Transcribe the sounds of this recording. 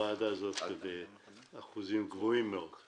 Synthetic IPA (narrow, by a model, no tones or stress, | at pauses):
aːd̪azot̪ve | aχuzimɡvoimːeod̪̥